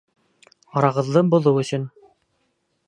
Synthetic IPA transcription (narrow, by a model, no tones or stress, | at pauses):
ɑɾɑʁɤ̆ðːɤbŭlˠɤwɵ̆sɵn